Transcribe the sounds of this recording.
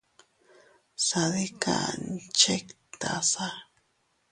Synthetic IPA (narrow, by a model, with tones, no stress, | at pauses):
saði˦ka̰˨nt͡ʃekt̪a̰˨sa˦